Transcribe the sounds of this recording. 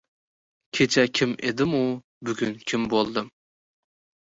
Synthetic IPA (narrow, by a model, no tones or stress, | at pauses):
kʲʰet͡ʃʰɛkʲʰimʔḛd̪ɪmu | byɡʲynkʲʰimbolˠd̪ɨm